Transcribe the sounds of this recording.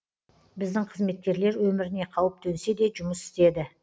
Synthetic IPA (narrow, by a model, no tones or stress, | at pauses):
bɪzd̪ɪŋqʰəzme̞t̪̚kʲe̞ɾle̞ɾwɵmɪɾɪne̞qʰɑwəp̚t̪ʰɵnse̞d̪e̞ʒʊməsɪ̥st̪e̞d̪ɪ